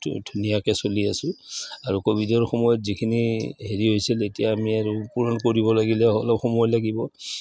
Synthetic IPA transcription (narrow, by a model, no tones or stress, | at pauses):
dʱunijakɛsoliasʊ̃aɹukobʱidɔɹxɔmɔjɔtzikʰiniɦeɹiɦojsiletijaːmiaɹupuɹɔnkoɹibɔlaɡilɛɦɔlɔpxɔmɔjɔlaɡibɔ